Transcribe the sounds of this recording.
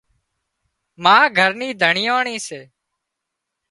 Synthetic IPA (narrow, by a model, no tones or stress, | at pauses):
mãːɡʱəɾniːd̪ʱəɳɪjoːɳiːseː